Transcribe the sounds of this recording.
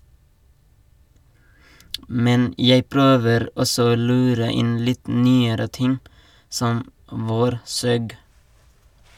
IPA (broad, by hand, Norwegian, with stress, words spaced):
ˈmɛn ˈjeɪ ˈpɾøːʋəɾ ˈɔsɔ ˈoː ˈlʉːɾə ˈɪn ˈlɪt ˈnyːəɾə ˈtɪŋ ˈsɔm ˈʋoːɾˌsøːɡ